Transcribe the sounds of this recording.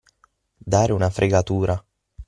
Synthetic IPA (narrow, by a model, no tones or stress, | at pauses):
d̪aːɾɪunafɾʔeɡat̪uːɾa